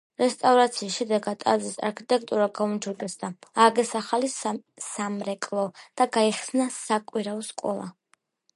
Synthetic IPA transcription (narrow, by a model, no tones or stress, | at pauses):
ɾɛst̪ʼavɾat̪sʰiːsʃɛd̪ɛɡad̪ʼa̰zisa̰ɾkʰit̪ʼɛk̚ʰt̪ʼuɾaɡaund͡ʒʰud̪ɛsd̪aaɡɛsaχalisamɾɛkʼlˠɔd̪̥aɡaiχsnasakʼwiɾaɔskʼɔ̰lˠa̰